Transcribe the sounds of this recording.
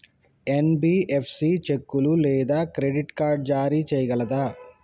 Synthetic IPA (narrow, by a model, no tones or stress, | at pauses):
enbiːʔepʰsit͡ʃekːululɛːd̪aːkɾeɖiʈkaːɾɖ̚d͡ʒaːɾit͡ʃɛjɐɡɐlɐd̪aː